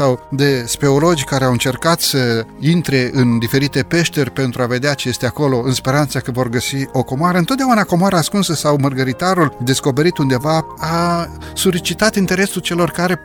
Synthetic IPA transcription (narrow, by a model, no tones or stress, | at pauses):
awd̪e̞spe̞o̞lo̞d͡ʒʲkaɾeawɨnt͡ʃe̞rkat̪səint̪ɾe̞ʔɨnd̪ife̞ɾit̪e̞pe̞ʃt̪erʲpe̞nt̪ɾuave̞d̪eat͡ʃe̞je̞st̪eako̞lo̞ɨnspe̞ɾant̪səkəvo̞rɡəsio̞ko̞moaɾəɨnt̪ot̪d̪aunako̞moaɾaːskunsəsawmərɡəɾit̪aɾuld̪e̞sko̞pe̞ɾit̪und̪e̞vaa | solit͡ʃit̪at̪int̪e̞ɾe̞sult͡ʃe̞lo̞rkaɾe̞